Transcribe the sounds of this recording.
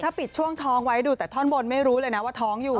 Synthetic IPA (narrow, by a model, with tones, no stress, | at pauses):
aː˥˩pi˨˩t̪̚t͡ɕʰu˥˩əŋt̪ʰɔː˦˥ŋwa˦˥jduː˧t̪ɛː˨˩t̪ʰɔː˥˩nbo˧nma˥˩jɾuː˦˥lɤː˧jna˦˥waː˥˩t̪ʰɔː˦˥ŋjuː˨˩